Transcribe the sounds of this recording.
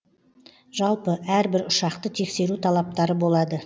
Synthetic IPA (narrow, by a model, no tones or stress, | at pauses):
ʒ̥ɑlˠpəʔæɾbɪɾʊʃɑqt̪ət̪ʰe̞kse̞ɾut̪ʰɑlˠɑp̚t̪ɑɾəbo̞lˠɑd̪ə